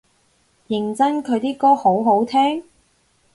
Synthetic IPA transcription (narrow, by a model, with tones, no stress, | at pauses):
jɪ˨˩ŋt͡sɐ˥nkʰɵ˨˧jt̪iː˥kɔː˥ho˨˥wɦo˨˥wt̪ʰɛː˥ŋ